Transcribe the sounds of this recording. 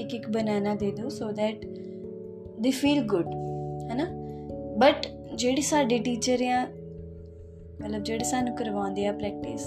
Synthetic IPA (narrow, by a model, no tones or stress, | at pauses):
ɪkɪkbənaːnaːd̪eːd̪õːsoːd̪ɛːʈ | d̪eːfiːlɡʊɖhɛnabəʈ | d͡ʒeːɽeːsaːɖeːʈiːt͡ʃəɾɪjãː | mət̪ləb̚d͡ʒeːɽeːsaːnũːkəɾʋãːnd̪eːãːpɾɛːk̚ʈɪs